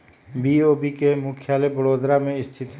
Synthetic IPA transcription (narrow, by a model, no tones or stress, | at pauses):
biːoːbikemʊkʰjaːlebəɽoːd̪ɾamẽɪst̪ʰɪt̪